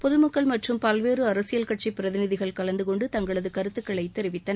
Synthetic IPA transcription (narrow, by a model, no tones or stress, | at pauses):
pɔðɯmɐkːɐɭmɐʈrɯmpɐlʋeːrɯɐɾɐsɪjɐlkɐʈ̚t͡ʃipːɪɾɐðɪnɪðɪɣɐɭkɐɭɐnd̪ɯkɔɳɖɯt̪ɐŋɡɐɭɐðɯkɐɾɯt̪ːɯkːɐɭɐɪt̪ːɛɾɪʋɪt̪ːɐnɐ